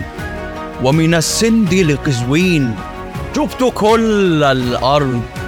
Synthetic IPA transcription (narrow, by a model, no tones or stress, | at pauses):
wamɪnasːɪnd̪ɪlɪqɨzwiːn | ʃʊbt̪ʊkʊlalʔɑɾˤd̪